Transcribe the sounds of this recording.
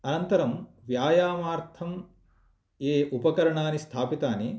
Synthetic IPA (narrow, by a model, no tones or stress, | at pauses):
ɐnɐnt̪ɐɾɐm | ʋjaːjaːmaːɾt̪ʰɐm | eːʔupɐkɐɾɐɳaːnist̪ʰaːpit̪aːne